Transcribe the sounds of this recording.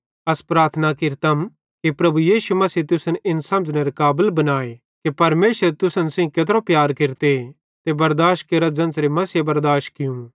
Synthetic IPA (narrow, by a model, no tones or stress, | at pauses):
ɐspɾaːɾt̪ʰnakɪɾt̪əm | kipɾɐbujiːʃumɐsiːt̪ʊsənʔɪnsɐ̃məd͡ʒneɾekaːbəlbɐnaːe | kipɐɾmeːʃəɾt̪ʊsənsẽĩkɐt̪ɾopjaːɾkɪɾt̪e | t̪ebɐɾd̪aːʃt̚keɾad͡ʒɐ̃nsɾemɐsjebɐɾd̪aːʃ̚kɪjũː